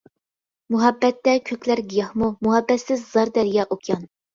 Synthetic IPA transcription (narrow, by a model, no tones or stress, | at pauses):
muɦɑbːɛt̪ːɛkʲʰøkʲlæɾɡʲijɑhmumuɦɑbːɛt̪sɪzːɑɾd̪ɛɾjɑːʔokʰjɑn